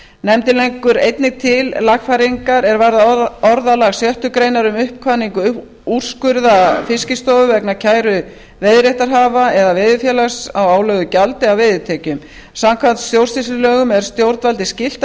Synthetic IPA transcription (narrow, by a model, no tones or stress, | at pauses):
nɛmt̪ɪlejŋkʏɾejt̪nɪɣt̪ʰɪllaxfajɾiŋkaɾɛɾvaɾðaɔɾðalaɣsjœht̪ʏkɾejnaɾʏmʏhp̚kʰvaniŋkʏ | ur̥skʏɾðafɪscɪst̪owvʏvɛknacʰaːjɾʏ | veðɾjeht̪aɾ̥ɦaːvaɛðavɪːðʏfjɛːlaɣsawaːwlœɣʏcalt̪ɪawvɪðʏt̪ʰɛːcʏm | samkʰvant̪st̪jowrsislɪlœːɣʏmɛðɾ̥st̪jowɾt̪valt̪ɪscɪl̥t̪